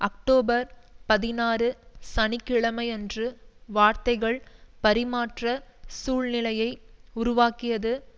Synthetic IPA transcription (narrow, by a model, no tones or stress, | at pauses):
ʔɐk̚ʈoːbɐɾpɐðɪnaːɾɯsɐnɪkːɪɭɐmɐɪɛndrɯʋaːɾt̪ɐɪɣɐɭpɐɾɪmaːʈrɐsuːɭnɪlɐjɐɪʊɾʊʋaːkɪjɐðɯ